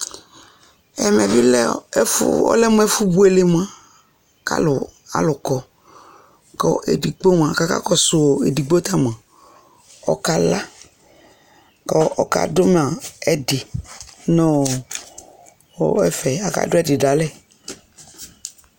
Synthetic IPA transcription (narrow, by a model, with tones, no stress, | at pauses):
ɛ̰˨mɛ˨vi˦lɛ˦ | ɔ̰˦lɛ˦mũ˦ɛ˦fu˦bu˦e˨le˨m˦ã˨ | ka̰˦lʊ˨a̰˨lʊ˨kɔ˨ | kɔ̰˦ʔḛ˨di˨ɡ͡bo˦m˨ã˨ka˦ka̰˦kɔ˦sʊ˨wo˨e˨di˨ɡ͡bo˦t̪a˦m˨ã˨ | ɔ̰˦ka˦la˦ | kɔ˦ɔ˦ka̰˨dʊ˦m˨a˨ɛ˨dɪ˨nɔ̃˦˨ | ɔ̰˨ɛ˦fɛ˨a˨ka̰˨dʊ˦ɛ˦˨dɪ˨da˨lɛ˦